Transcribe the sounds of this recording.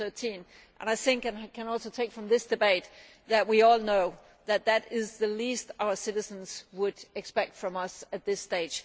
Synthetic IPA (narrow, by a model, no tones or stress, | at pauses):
θɜ˞tʰĩn | ʔə̰̃naɪθɪ̃ŋkɨ̃nkʰɨ̃nɔlˠsoʊtʰeɪkfɹʌ̃mðɪsd̥ɨbeɪt̪̚ | ðɨt̚wiɔlˠnoʊ | ðɨt̪̚ðɨɾɪzðɨlistaʊə˞sɪɾɨz̃n̩z̥wəɾɨkspɛk̚tfɹʌ̃mʌsɨt̪̚ðɪsteɪd̥ʒ̥